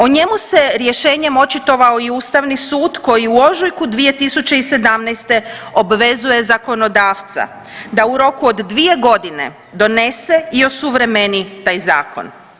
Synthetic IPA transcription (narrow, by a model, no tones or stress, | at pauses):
oɲe̞muse̞ɾje̞ʃe̞ːɲe̞mo̞t͡ʃit̪o̞ʋaoiuːst̪aʋnisuːd̪ko̞jiuo̞ʒujkud̪ʋije̞t̪isut͡ʃe̞ise̞d̪amnɛjst̪e̞o̞bʋe̞zuje̞zako̞no̞d̪aːʋt̪sa̰ | d̪auɾo̞kuod̪ːʋie̞ɡo̞d̪ine̞̰ | d̪o̞ne̞seio̞suʋɾe̞menit̪aːjza̰ːko̞̰n